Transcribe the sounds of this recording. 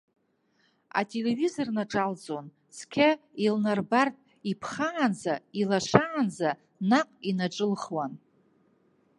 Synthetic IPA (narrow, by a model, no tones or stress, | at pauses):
a̰tʼe̞le̞vizo̞rnaʈ͡ʂʼald͡zʼo̞n | sʰkʲʰailnarbartʼ | ipʰχaʕanzailaʂʷʰaʕːnza | naqʼinaʈ͡ʂʼɨlχwan